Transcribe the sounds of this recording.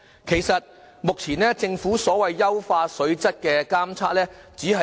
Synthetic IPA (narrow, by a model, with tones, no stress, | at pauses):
kʰe˨˩jsɐ˨t̚ | mʊ˨k̚t͡sʰiː˨˩nɛː˥t͡sɪ˧ŋfuː˨˥sɔː˨˥wɐ˨jːɐ˥wfaː˧sɵ˨˧˥ɥt͡sɐ˥t̚kɛː˧kaː˥mt͡sʰaː˥lɛː˥t͡siː˨˥hɐ˨